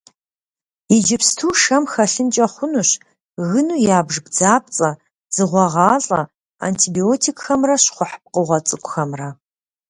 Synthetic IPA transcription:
ɪd͡ʒɪpstʰuːʂɐmxɐɬɨnt͡ʃʼɐχʷʊnuɕ | ɣɨnuːjaːbʒbd͡zaːp̚t͡sʼɐ | z̥ɨʁʷɔʁɑːɬʼɐ | a̰ːntʰiːbioːtʰikʼxɐmrɐɕχʷʊħə̥p̚qəʁʷɐt͡sʼɨkʷʼʊxɐmrɐ

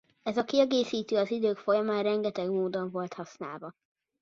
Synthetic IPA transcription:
ɛzɒkiɛɡeːsiːt̪øːɒzid̪øːkfo̞jɒmaːnrɛŋɡɛt̪ɛɡmoːd̪oɱvo̞lt̪hɒsna̰ːlvɒ

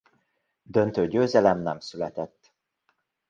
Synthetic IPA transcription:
d̪ønt̪øːɟøːzɛlɛmnɛmsylɛt̪ɛt̪ː

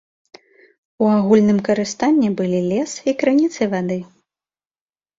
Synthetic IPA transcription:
uaɣulʲnɨmkɐɾɨst̪anʲːibɨlʲilʲɛsikɾɨnʲit̪sɨvad̪ɨ

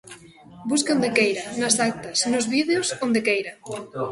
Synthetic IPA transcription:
buskõnd̪ekejɾanazak̚t̪ɐsnozβiðeosond̪ekejɾa

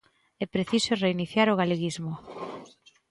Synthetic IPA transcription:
ɛpɾeθisoreiniθjaɾoɣaleɣizmʊ

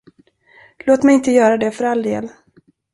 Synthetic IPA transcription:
loːt̪mɛjɪnt̪əjœːɾad̪ɛfœɾald̪ḛːl

